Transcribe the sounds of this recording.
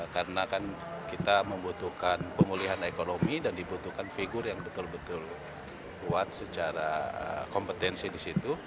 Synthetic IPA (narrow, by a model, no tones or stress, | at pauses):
kaɾənakan | kit̪aməmbut̪uhkanpəmuliɦanekonomidandibut̪uhkanfiɡʊrjaŋbət̪ʊlbət̪ʊl | kuat̪̚sət͡ʃaɾaə̰kɔmpət̪ɛnsidisit̪u